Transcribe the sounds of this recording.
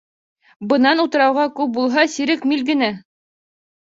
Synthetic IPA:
bɤ̆nɑnut̪ɤ̆ɾɑwʁɑkʉp̚bulˠɦɑsiɾɘkmilɡɘ̆næ

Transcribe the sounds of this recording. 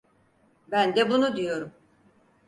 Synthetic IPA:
bænd̪ɛbunud̪ijo̞ɾum

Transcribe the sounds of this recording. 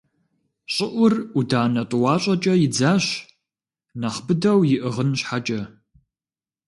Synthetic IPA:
ɕʼɪʔʷʊrudaːnɐtʼʊwɑːɕʼɐt͡ʃʼɐjɪd͡zaːɕ | naχbɨdɐwjɪʔɨʁənɕħat͡ʃʼɐ

